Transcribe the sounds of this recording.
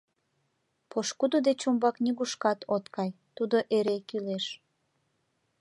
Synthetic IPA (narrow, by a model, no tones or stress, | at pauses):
pʰoʃkud̪od̪et͡ɕombɑknʲiɣuʃkɑt̪ot̪kʰɑjt̪ud̪oʔeɾekyleʃ